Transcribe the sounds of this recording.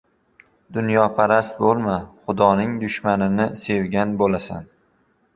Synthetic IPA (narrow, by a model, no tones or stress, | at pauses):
d̪ʊnjɒpʰaɾast̪̚bolˠmaχʊd̪ɒnɪŋd̪ʊʃmanɪnɪse̞wɡʲanbolasa̰n